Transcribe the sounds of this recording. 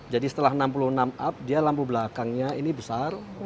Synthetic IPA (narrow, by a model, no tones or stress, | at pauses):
d͡ʒadisə̥t̪əlaɦənampuluhnamap̚dialampubəlakaŋɲainibəsar